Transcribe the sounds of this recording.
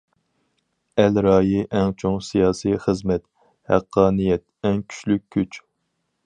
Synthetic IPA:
ɛlɾɑːjiʔɛŋt͡ʃʰoŋsijɑːsijχəzmɛt̪ | hæqʰːɑːnijɛt̪̚ɛŋkʲʰy̥ʃlykʲʰːyt͡ʃ

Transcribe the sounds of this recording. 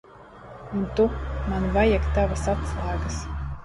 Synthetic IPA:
unt̪umanvajakt̪avasatslˠaːɡɐs

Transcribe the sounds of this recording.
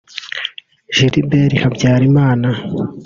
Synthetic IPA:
ʒ̥iɾibeɾihabɟaːɾimaːna

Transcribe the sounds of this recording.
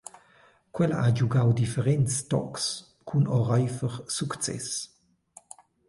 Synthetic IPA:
kwɛla̰ʔad͡ʒuɡawd̪ifeʁɛnst̪ɔ̰ks | kʰunɔʁajfəʁsukt͡sɛ̰s

